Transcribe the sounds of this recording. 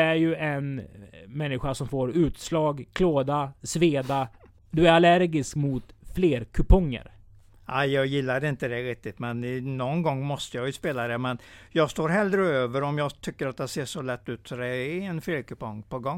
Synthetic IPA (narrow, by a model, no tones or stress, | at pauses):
æɾjɵɛnmɛnːɪɧaʂɔmfoːɾʉ̟ːt̪slɑːɡkʰloːd̪asveːd̪a | d̪ɵæɾalæɾɡɪskmʊt̪fleːɾkʰɵpʰɔŋːə̰ɾ | aɪjɑːɡjɪlːad̪ɛɪnt̪əd̪ɛɾɪk̚t̪ɪt̪mɛnnːɔnɡɔŋːmɔst̪əjɑjɵspeːlad̪ɛmɛnjɑːɡst̪oːɾɦɛld̪ɾəøːvəɾɔmjɑt̪ʰʏkːəɾat̪̚d̪ɛseːʂɔlɛt̪ːʉ̟ːt̪sɔd̪ɛɛnfleːɾkʰɵpɔŋːpʰɔɡɔŋː